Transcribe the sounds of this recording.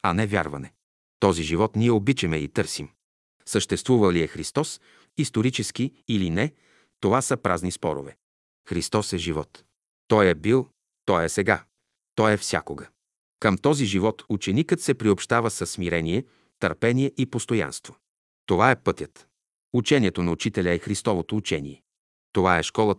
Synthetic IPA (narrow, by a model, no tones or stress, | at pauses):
ɐnɛvʲja̰ɾvɐ̰nɛ | t̪ɔziʒivɔt̪niɛobit͡ʃɛmɛḭt̪ɤɾsim | səʃt̪ɛst̪vuvɐliɛxɾist̪ɔs | ist̪oɾit͡ʃɛsk̟iːlinɛ | t̪ovasəpɾaznispɔɾo̰vɛ | xɾist̪ɔsɛʒivɔt̪ː | ɔjɛbilˠ | t̪ɔjɛsɛɡa | t̪ɔjɛfsʲja̰koɡə | kəmt̪ɔziʒivɔt̪ut͡ʃɛnikət̪sɛpɾiopʃt̪avəsəsːmiɾɛniɛ | t̪əɾpɛniɛʔipost̪oja̰nst̪vo | t̪ovaɛpɤt̪ʲjət̪ | ut͡ʃɛniɛt̪onɐut͡ʃit̪ɛlʲəɛxɾist̪ɔvot̪oːt͡ʃɛnḭɛ | t̪ovaɛʃkɔlˠə